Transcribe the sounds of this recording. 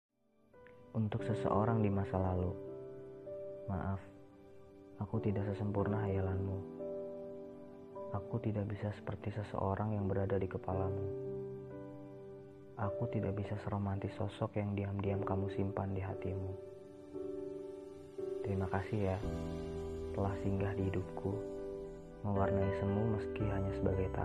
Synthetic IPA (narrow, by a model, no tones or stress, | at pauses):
ʔunt̪ʊksəsə̰ʔoɾaŋdimasalalu | ma̰ʔaf | akut̪idaksəsəmpurnaɦajalanmu | akut̪idak̚bisasə̥pərt̪isəsə̰ʔoɾʔaŋjaŋbəɾadadikəpalamu | ʔakut̪idak̚bisasəɾomant̪isɔsɔkjaŋdiamdiamkamusimpandiɦat̪imu | t̪əɾimakasɪhja | t̪əlahsiŋɡahdiidup̚kʰu | məwarnaisəmuməskiɦaɲasəbaɡajt̪a̰